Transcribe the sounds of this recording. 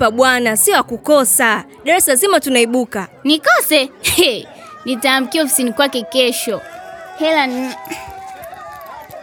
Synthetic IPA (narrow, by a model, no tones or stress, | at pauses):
aɓwanasiɔakukɔsa | ɗaɾɛslazimatunaiɓukanikɔsɛɛ | nitaːm̩kiɔfi̥sinikwakɛkɛʃɔhɛlan